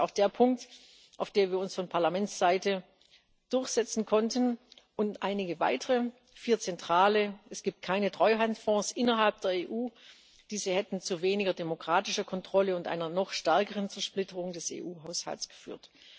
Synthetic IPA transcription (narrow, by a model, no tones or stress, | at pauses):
aʊxd̥eːɐpʰʊŋk̚t | ʔa̰ʊfd̥eːɐviːɐʊnsfɔnpʰaɐlamɛnt͡sz̥aɪtə | d̥ʊɐçz̥ɛt͡sn̩kʰɔntʰənʔʊntʔaɪnɪɡəva̰ɪtəʁə | fiːɐt͡sɛntʁ̥aːləʔɛsɡ̥iːp̚t̚kʰaɪnətʁ̥ɔʏɦantfɔ̃ːsʔɪnɐɦalp̚d̥eːɐeːʔuː | d̥iːzəhɛtn̩t͡suveːnɪɡɐdemokʁ̥aːtɪʃɐkʰɔntʁ̥ɔləʊntʔa̰ɪnɐnɔχʃtɛɐkəʁənt͡sɛɐʃplɪtəʁʊŋdɛsḛːʔuːɦaʊsha̰lsɡ̥ə̥fy̰ːɐt